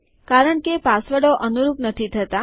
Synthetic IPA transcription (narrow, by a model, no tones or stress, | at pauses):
kaɾəɳkepasʋəɽoʔənuɾupnət̪ʰit̪ʰət̪a